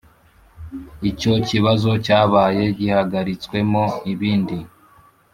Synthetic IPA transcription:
ico̞ciβazo̞caːβaːje̞ɟihaɡaɾit͡swe̞moiβiːndi

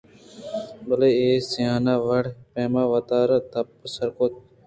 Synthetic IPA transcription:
bɐleeːsijaːnaʋɐɽpeːmaːʋɐt̪aːɾɐt̪ɐpːəsɐɾkot̪̚

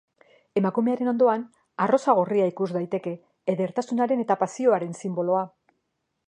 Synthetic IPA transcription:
e̞makume̞aɾe̞no̞nd̪o̞an | aro̞saɣ̞oriaikuzd̪ajt̪e̞ke̞ː | ðe̞ɾt̪asunaɾe̞ne̞t̪apasio̞aɾe̞nsimbo̞lo̞a

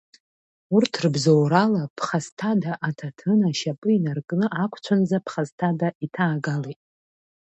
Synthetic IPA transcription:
urtʰrbzowɾalapʰχastʰadaʔatʰatʰɨnaʃapʼɨinarkʼnɨʔakʷʰt͡ʃʷʰand͡zapʰχastʰadaitʰaːɡalejtʼ

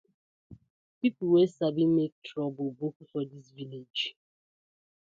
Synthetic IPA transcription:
pipl̩wesabimek̚tʰɹɔbʊbukfɔdisviled͡ʒ

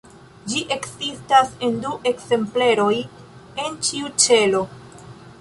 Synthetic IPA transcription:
d͡ʒiʔe̞kzistase̞nduʔe̞kze̞mple̞ɾo̞j | e̞nt͡ʃiut͡ʃe̞lo̞

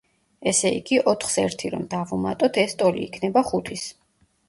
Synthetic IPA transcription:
ɛsɛḭɡiʔɔt̪ʰχsɛɾt̪ʰiɾɔ̰md̪avumat̪ʼɔt̪ʰɛst̪ʼɔlḭːkʰnɛbaχut̪ʰis

